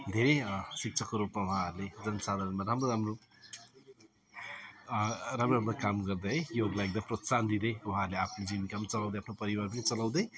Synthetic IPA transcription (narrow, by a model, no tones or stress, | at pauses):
d̪ʱeɾʌsik̚t͡sʰʌkoɾupmauɦãʌɾled͡zʌnʌsad̪ʱaɾʌnmaɾamrʌamro | ɾamroamrokamɡʌrd̪ʌɦʌjjoɡlaɡd̪aprot̪sand̪id̪ʌjuɦãɾleapʰnod͡zimikamat͡sʌlaw̃d̪ʌjapʰnopʌɾiwaɾmit͡sʌlaw̃d̪ʌj